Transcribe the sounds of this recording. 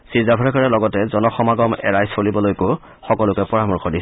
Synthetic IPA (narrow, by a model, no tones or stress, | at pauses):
sizabʱɔɹɛkɔɹɛlɔɡɔtɛzɔnɔxɔmaɡɔmɛ̰ɹajsolibɔlojko | xɔkɔlʊkɛpɔɹamuɹkʰɔdis